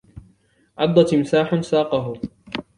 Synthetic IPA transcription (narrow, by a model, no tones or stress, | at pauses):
ʕɑd̪ˤːɑt̪ɪmsaːħʊnsaːqɑɦʊ